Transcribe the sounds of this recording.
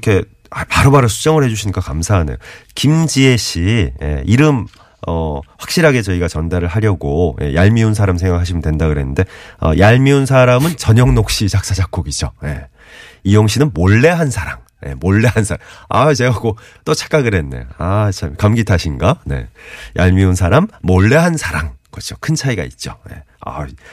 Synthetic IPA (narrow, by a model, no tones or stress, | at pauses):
kʰe̞ | apaɾobaɾɯsʰu̥t͡ɕ͈ʌŋɯɭhe̞d͡ʑuɕʰinik͈akamsʰaɦane̞̰jokimd͡ʑieɕije̞̰iɾɯm | ʌɸwak̚ɕ͈iɾɦaɡe̞t͡ɕʌiɡat͡ɕʌndaɾɯɭɦaɾjʌɡoje̞̰jaɭmiuns̬ʰaɾamsʰe̞ŋɡakʰaɕʰimɯndwe̞ndaɡɯɾe̞nːɯnde̞ʌ̰jaɭmiunsʰaɾamɯnt͡ɕʌɲʌŋnok̚ɕ͈it͡ɕak̚s͈ad͡ʑak͈oɡid͡ʑoje̞̰ | ijoŋɕʰinɯnmoɭːe̞ɦansʰaɾaŋ | je̞̰moɭːe̞ɦansʰaaat͡ɕe̞ɡaɡot͈ʌt͡ɕʰḁk͈aɡɯɾe̞nːḛat͡ɕʰakamɡitʰaɕʰinɡane̞̰jʔa̰ɭmiunsʰaɾamːoɭːe̞ɦansʰaɾaŋkʌt͡ɕʰokʰɯnt͡ɕʰaiɡa̰ḭt̚t͡ɕ͈oje̞̰ | a̰